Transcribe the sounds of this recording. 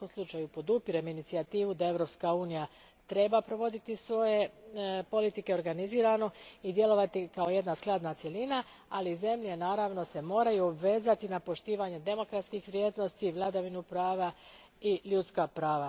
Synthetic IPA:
omslˠut͡ʃajupo̞d̪upiɾeminit̪siat̪iːʋud̪ae̞ʋɾo̞pskauːnija | t̪ɾe̞bapɾo̞ʋo̞d̪it̪isʋo̞je̞po̞lit̪ike̞o̞ɾɡaniziːɾano̞id̪je̞lo̞ʋat̪ikao̞je̞d̪nasklˠad̪nat̪sje̞lina | alize̞mʎe̞naːɾaʋno̞se̞mo̞ːɾajuobʋe̞zat̪inapo̞ʃt̪iːʋaɲe̞d̪e̞mo̞kɾat̪skixʋɾʲje̞ːd̪no̞st̪iʋlˠad̪aʋinupɾaːʋa | iʎut̪skapɾaːʋa

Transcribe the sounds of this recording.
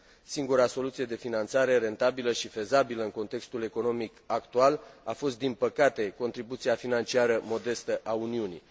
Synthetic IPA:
siŋɡuɾaso̞lut̪sije̞d̪e̞finant̪saɾe̞ɾe̞nt̪abiləʃife̞zabiləɨŋko̞nt̪e̞kst̪ule̞ko̞no̞mikakt̪ualafo̞st̪d̪inpəkat̪e̞ko̞nt̪ɾibut̪siafinant͡ʃiaɾəmo̞d̪e̞st̪əʔauniunḭ

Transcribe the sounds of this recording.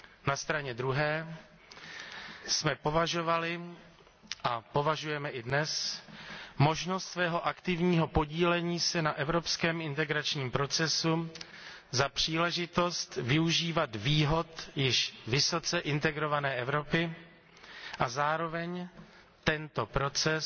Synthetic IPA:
nast̪ɾaɲɛd̪ɾuɦɛː | smɛpo̞vaʒo̞valɪ | ʔapo̞vaʒujɛmɛʔɪdnɛs | mo̞ʒnost̪svɛːɦo̞ʔakt̪ɪvɲiːɦo̞po̞ɟiːlɛɲiːsɛnaʔɛvɾo̞pskɛːmɪnt̪ɛɡɾat͡ʃɲiːmpɾo̞t͡sɛsu | zapr̝̥iːlɛʒɪt̪o̞st̪vɪuʒiːvat̪viːɦo̞t̪jɪʃvɪso̞t͡sɛʔɪnt̪ɛɡɾo̞vanɛːʔɛvɾo̞pɪ | ʔazaːɾo̞vɛɲ | t̪ɛnt̪o̞pɾo̞t͡sɛ

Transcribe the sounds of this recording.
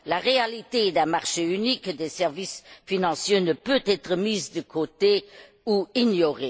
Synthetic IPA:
laʁealit̪eɛd̪ɛ̃maʁʃeynikəd̪esɛʁvisfinɑ̃sjenəpøt̪ɛt̪ʁəmiːzd̪əkʰot̪e | uiɲjoʁe

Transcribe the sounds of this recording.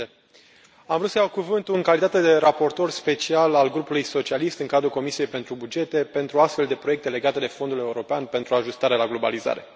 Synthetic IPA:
amvɾut̪səjawkuvɨnt̪uɨŋkalit̪at̪e̞d̪e̞ɾapo̞rt̪o̞rspe̞t͡ʃialalɡɾupulujso̞t͡ʃialist̪ɨŋkad̪ɾulko̞misije̞jpe̞nt̪ɾubud͡ʒe̞t̪e̞pe̞nt̪ɾuast̪fe̞ld̪e̞pɾo̞jekt̪e̞le̞ɡat̪e̞d̪e̞fo̞nd̪ule̞uɾo̞peanpe̞nt̪ɾuaʒust̪aɾelaɡlo̞ba̰liza̰ɾe̞̰

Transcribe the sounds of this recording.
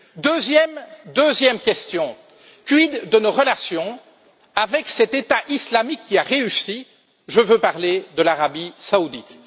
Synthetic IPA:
d̪øzjɛmd̪øzjɛmkʲɛst̪jɔ̃ | kɥid̪ːənoʁəlasjɔ̃ | avɛksɛt̪et̪aʔislamikʲːiaʁeysi | ʒəvøpaʁled̪əlaʁabisaud̪it̪

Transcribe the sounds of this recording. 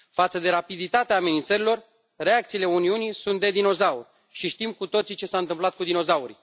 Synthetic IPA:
fat̪səd̪e̞ɾapid̪it̪at̪eaːme̞nint̪səɾilo̞r | re̞ak̚t̪siːle̞uniunijsunt̪̚d̪e̞d̪ino̞zaur | ʃiʃt̪imkut̪o̞t̪sit͡ʃe̞saɨnt̪ɨmplat̪̚kud̪ino̞zauɾi

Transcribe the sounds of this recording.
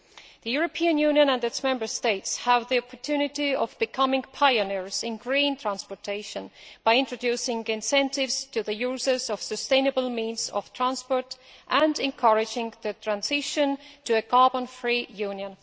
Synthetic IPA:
ðɨjuɹəpʰiɨ̃njʉ̃njə̃nə̃ndɨtsmɛ̃mbə˞steɪtshəvðiɔpʰəɹtʰʉnɪtiʌvbɨkʰʌmɪ̃ŋpʰaɪɨnɪɹz̥ɪ̃nɡɹĩnt̪ʰɹ̥æ̃nspəɹtʰeɪʃə̃nb̥aɪɪ̃ntɹ̥ɨdʉsɪ̃ŋɪ̃nsɛ̃ntɪvz̥tʰɨðɨjuzə˞zʌv̥sɨstẽɪ̃nɨbəl̩ˠmĩnzʌ̰v̥t̪ʰɹ̥æ̃nspɔɹɾʔə̃ndɛ̃nkʰʌɹɪd͡ʒɪ̃ŋðɨtʰɹ̥æ̃nzɪʃɨ̃ntʰɨɨɡɑbə̃nfɹijʉ̃njə̃n

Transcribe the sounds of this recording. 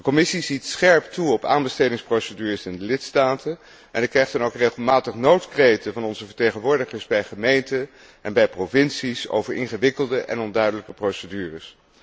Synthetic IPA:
d̥əkɔmɪsizitsχɛɹptuɔpa̰ːnbəstejdɪŋsprowsədyːrəsɪndəlɪtstaːtʰən | ʔɛ̰ndəkrɛjχtɛnowkreχəlˠmaːtəχnowtkrejtəvɑnɔnzəvəɹtejχənʋʊːɹdəχəɹszbɛjχəmejntə | ʔɛnbɛjprovɪnsiso̰wvəɹʔɪnχəʋɪkəlˠdəʔɛ̰nɔndœɥdələkəprowsədyːrəs

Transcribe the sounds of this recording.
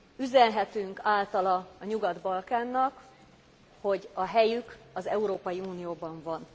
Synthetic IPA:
yzɛnɦɛt̪yŋkaːlt̪ɒlɒːɲuɡɒd̪bɒlkaːnːɒk | ho̞ɟɒɦɛjykɒzɛuɾoːpɒjiuːnijoːbɒɱvɒn

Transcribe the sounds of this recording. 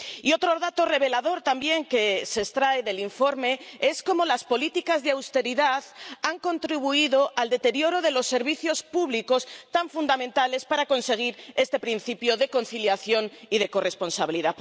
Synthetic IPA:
io̞t̪ɾo̞ðat̪o̞re̞β̞e̞laðo̞ɾt̪ambje̞ŋke̞sest̪ɾaeðe̞liɱfo̞ɾme̞e̞sko̞mo̞laspo̞lit̪ikazðeawst̪e̞ɾiðaðaŋko̞nt̪ɾiβ̞uiðo̞ʔald̪e̞t̪e̞ɾjo̞ɾo̞ð̞e̞lo̞sːe̞ɾβiθjo̞spuβliko̞st̪aɱfund̪amẽnt̪ale̞spaɾako̞nse̞ɣ̞iɾe̞st̪e̞pɾin̟θipjo̞ðe̞ko̞nθiljaθjo̞niðe̞ko̞re̞spo̞nsaβiliða

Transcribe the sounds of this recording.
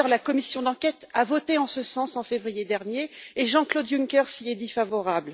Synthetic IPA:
ʁlakɔmisjɔ̃d̪ɑ̃kʲɛt̪avɔt̪eɑ̃səsɑ̃sɑ̃fevʁijed̪ɛʁnjeːʒɑ̃klod̪juŋkʲœʁsied̪ifavɔʁabl

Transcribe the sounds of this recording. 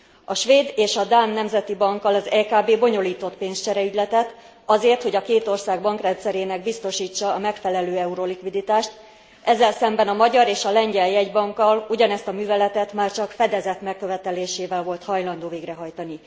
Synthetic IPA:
ɒʃʋeːd̪eːʃɒd̪aːnːɛmzɛt̪ibɒŋkːɒlɒzɛːkaːbeːbo̞ɲo̞liːt̪o̞t̪peːnst͡ʃɛɾɛyɟlɛt̪ɛt̪ | ɒzeːrt̪ho̞ɟɒkeːt̪o̞rsaːɡbɒŋkrɛnt̪sɛɾeːnɛɡ̚bist̪o̞ʃiːt͡ʃːɒːmɛkfɛlɛløːɛuɾo̞likʋid̪it̪aːʃt̪ | ʔɛzːɛlsɛmbɛnɒmɒɟɒɾeːʃɒlɛɲɟɛljɛɟbɒŋkːɒluɟɒnɛst̪ɒmyːvɛlɛt̪ɛt̪maːrt͡ʃɒkfɛd̪ɛzɛt̪mɛkːø̞vɛt̪ɛleːʃeːvɛlvo̞lt̪hɒjlɒnd̪oːveːɡrɛɦɒjt̪ɒni

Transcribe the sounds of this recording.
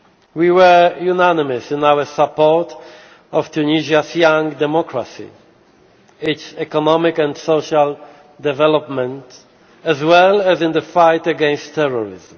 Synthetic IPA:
wiwə˞junænɪmɨsɪ̃nawə˞sapɔɹt | ɔv̥t̪ʰuniʒasjãŋd̪ɛmɔkʰɹasḭ | ɪtsɛkɔnɔmɪkɛ̃ndsoʃal | d̪ɛvɛlɔpmɛ̃nt | ɛzwɛlæzɪ̃nðəfajtəɡɛ̃nstʰːɛɹɔɹɪ̰zm

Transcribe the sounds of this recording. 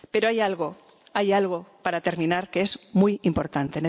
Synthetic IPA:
pe̞ɾo̞ajalɣo̞ | ajalɣo̞paɾat̪e̞ɾmĩnaɾkeezmujimpo̞ɾt̪ant̪e̞ne

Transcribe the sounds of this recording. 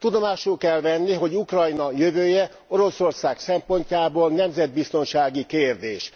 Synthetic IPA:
t̪ud̪o̞maːʃulkɛlvɛnːiɦo̞ɟukrɒjnɒjøvøːjɛ | o̞ɾo̞so̞rsaːksɛmpo̞ɲcaːboːlnɛmzɛd̪̚bist̪o̞nʃaːɡikeːrd̪eːʃ

